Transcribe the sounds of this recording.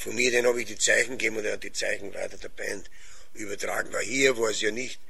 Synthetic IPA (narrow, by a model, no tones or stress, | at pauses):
fɔnmiːɐdɛnhɑːbɪçd̥iːt͡sæɪçn̩ɡ̥eːbm̩ʊnd̪d̥it͡sæɪçn̩væ̰ɪtɐd̥eɐb̥ɛ̰̃nt | ʔyːbɐtʁa̰ːɡŋ̩vahiːɐvoɐsjɑnɪçt